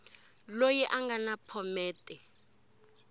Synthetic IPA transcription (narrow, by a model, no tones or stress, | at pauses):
lojɛʔaŋɡanapʰɔmɛːtʼɛ